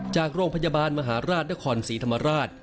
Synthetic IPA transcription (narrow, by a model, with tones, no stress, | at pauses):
t͡ɕaː˨˩k̚ɾoː˧ŋpʰa˧ja˧baː˧nma˧ɦaː˩˦ɾaː˥˩t̪̚na˥kʰɔː˧nsiː˩˦t̪ʰa˧mːa˧ɾaː˥˩t̪̚